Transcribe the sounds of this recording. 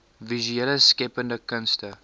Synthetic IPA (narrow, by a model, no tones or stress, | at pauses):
vizyɛləskɛpəndəkənstə